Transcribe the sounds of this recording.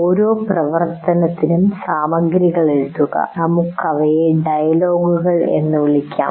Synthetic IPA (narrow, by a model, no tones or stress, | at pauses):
oːɾo̞ːprɐʋɐrt̪ɐnɐt̪ːinumsaːmɐɡɾiɣɐɭeɻuðuɣɐ̰nɐmukːɐʋɐjeɖɐjɐlo̞ːɡuɣɐɭe̞̰nːɨʋiɭikʲːa̰ːm